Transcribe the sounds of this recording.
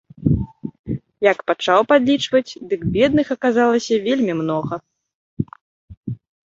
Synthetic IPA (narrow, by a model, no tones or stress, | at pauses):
jɐkpat͡ʂawpad̪lʲit͡ʂvɐt͡sʲd̪ɨɡbʲɛd̪̚nɨxɐkazalˠɐsʲɐvʲelʲmʲimnɔɣɐ